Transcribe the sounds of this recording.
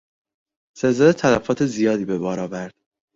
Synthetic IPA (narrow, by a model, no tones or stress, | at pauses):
sezɒd̪et̪ʰælæfɒːt̪ʰe̞zijɒːd̪iːbe̞bɒːɾɒːvæɾd̪̥